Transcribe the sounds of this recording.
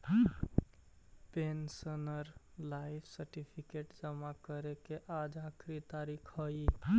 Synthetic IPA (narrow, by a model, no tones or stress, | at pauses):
pensənəɾlajpʰsəɾʈipʰikeʈd͡ʒəmakəɾekeʔad͡ʒakʰɾit̪aɾikʰhəi